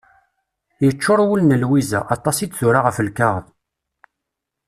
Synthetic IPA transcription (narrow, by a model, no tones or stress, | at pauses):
jət͡ʃːoɾˤwəlnəlwizæ̰ʔɑt̪ˤɑsid̪θuɾaʁəfəlkaʁəð